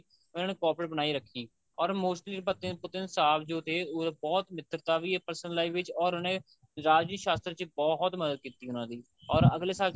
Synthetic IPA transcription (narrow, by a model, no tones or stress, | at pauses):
ʊnãːneːkɔːpəɽbənaːiːɾəkʰːiː | ɔːɾmoːʃnliːɾbət̪ːẽːpʊt̪ɪnsaːbd͡ʒoːt̪ʰeːʊbɔːt̪mɪt̪ːəɾt̪aːʋiːepəɾsənlaːiːʋɪt͡ʃɔːɾʊnẽː | ɾaːd͡ʒiʃaːst̪ɾt͡ʃbɔːɦt̪məd̪əd̪̚kiːt̪iːɦʊnãːd̪iː | ɔːɾəɡleːsaːl